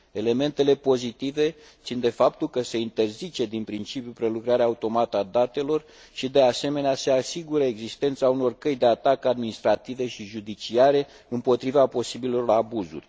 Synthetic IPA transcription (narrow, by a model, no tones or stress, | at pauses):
e̞le̞me̞nt̪e̞le̞po̞zit̪ive̞ | tt̪sind̪e̞fapt̪ulkəse̞int̪e̞rzit͡ʃe̞d̪inpɾint͡ʃipjupɾe̞lukɾaɾeaut̪o̞mat̪əad̪at̪e̞lo̞r | ʃid̪e̞ase̞me̞nease̞asiɡuɾəeɡzist̪e̞nt̪sauno̞rkəjd̪e̞at̪akad̪minist̪ɾat̪ive̞ʃiʒud̪it͡ʃiaɾe̞ | ɨmpo̞t̪ɾivapo̞sibilo̞rabuzṵrʲ